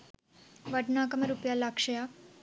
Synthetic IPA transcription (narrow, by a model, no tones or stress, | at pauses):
ʋɐɖnaːkɐmɐɾupjaːlakʂɐja